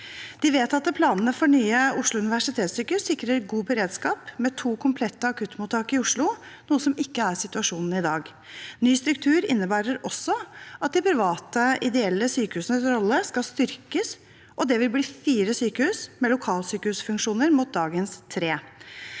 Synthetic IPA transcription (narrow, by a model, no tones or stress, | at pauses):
d̪̥ɪʋeːt̪ɑt̪̚pʰlɑːnənəfɔɳyːəʊʂlʊʉnɪʋæʂɪt̪ʰeːt̪syːkəhʉssɪkɾəɾɛɡuːbəɾeːd̪skɑːpmɛt̪ʰuːkʰʊmpʰlɛt̪ːəɑkʰʉt̪ːmuːt̪ʰːɑːkəɾɪʊʂlʊnuːəsɔmɪkːəæɾsɪt̪ʉɑʂuːnn̩ɪd̪ɑːɡ | nyːst̪ɾʉk̚t̪ʰʉːɾɪnːəbæːɾəɾɔsːɔɑt̪̚d̪ɪpʰɾɪʋɑːt̪əɪd̪ɛɛlːəsyːkəhʉːsənəsɾɔlːəskɑlst̪ʏɾkəs | ʔɔd̪ɛʋɪlbliːfiːɾəsyːkəhʉːsmɛlʊkʰɑːlsyːkəhʉːsfʉŋkʂuːnəɾmuːt̪̚d̪ɑːɡənst̪ʰɾeː